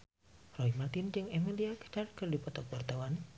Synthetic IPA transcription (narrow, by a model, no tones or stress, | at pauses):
rɔimat̪ind͡ʒɨŋemiliakə̥t͡ʃarkɨrdipɔt̪ɔk̚wart̪awan